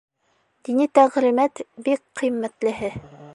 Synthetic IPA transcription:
d̪̥init̪æʁɾimæt̪bikqːĭmːæt̪lɘ̆ɦɘ

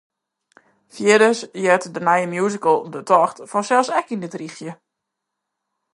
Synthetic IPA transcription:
fjɪdəsjɛtdənajəmjuzikəlˠdətʰɔxtfɔnsɛlˠsɛkindɪtrixjə

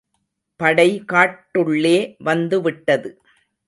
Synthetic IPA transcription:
pɐɽɐɪkaːʈːɯɭːeːʋɐnd̪ɯʋɪʈːɐðɯ

